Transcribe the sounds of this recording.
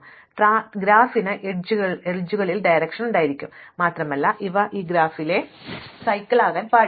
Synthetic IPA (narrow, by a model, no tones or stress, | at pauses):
ʈaːɡɾaːfinɨʔed͡ʑuɣɐɭeɻud͡ʑːuɣɐɭilɖɐjɾɐkʂɐnuɳɖaːjiɾikʲːummaːt̪rɐmɐlːɐʔiʋɐʔiːɡɾaːfile̞ | sɐjkʲːɐɭaːɣaːnpaː